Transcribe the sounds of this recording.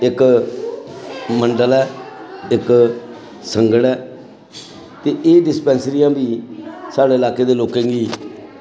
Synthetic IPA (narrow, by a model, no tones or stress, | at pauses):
ɪk | məɳɖəlɛːɪk | səŋɡəɽɛː | t̪eːʔeːɖɪspɛ̃ːnsɾijãːbiːsaːɖeːɪlaːkeːd̪eːloːkẽːŋɡiː